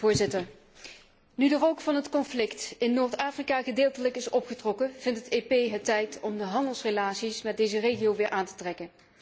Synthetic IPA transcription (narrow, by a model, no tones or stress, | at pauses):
ʊːɹzɪtəɹ | nydərowkfɑnɦətkɔnflɪktɪnːoːɹtaːfrikaːχədeːlˠtələkɪsɔpχətrɔkəv̥ɪntətepejɦətːɛjtɔmdəɦɑndəlˠsrelaːtsismɛd̚dejzərejχiowʋɪːɹʔaːntə̥trɛkən